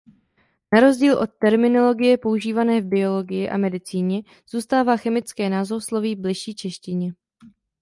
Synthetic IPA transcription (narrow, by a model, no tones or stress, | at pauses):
naɾo̞zɟiːlʔo̞t̪ːɛɾmɪno̞lo̞ɡɪjɛpo̞uʒiːvanɛːvbɪo̞lo̞ɡɪjɪʔa̰mɛdɪt͡siːɲɛ | z̥uːst̪aːvaːxɛmɪt͡skɛːnaːzoslo̞viːvblɪʃiːt͡ʃɛʃcɪɲɛ